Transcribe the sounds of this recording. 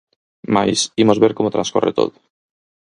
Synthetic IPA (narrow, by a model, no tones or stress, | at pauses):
majsimo̞zβeɾkomot̪ɾanskorʔet̪o̰ðo